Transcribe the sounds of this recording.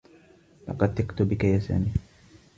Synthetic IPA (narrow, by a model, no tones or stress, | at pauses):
lɑ̰qɑd̪t̪ːɪqt̪ʊbɪkajasa̰ːniː